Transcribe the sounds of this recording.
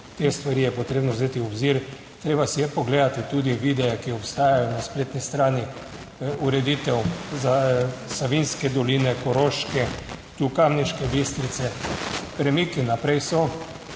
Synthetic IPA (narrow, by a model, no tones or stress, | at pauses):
t̪est̪ʋaɾiːjɛpɔt̪ɾeːbnɔwzeːt̪iɔbziɾ | t̪ɾeːbasijɛpɔɡleːd̪at̪it̪uːd̪iʋid̪ɛjɛkiɔpst̪aːjajɔnaspleːt̪nist̪ɾaːni | uɾɛd̪iːt̪ɛwzasaʋinskɛd̪ɔliːnɛkɔɾoʃkɛt̪ukamniʃkɛbist̪ɾit̪sɛpɾɛmikinapɾɛjsɔ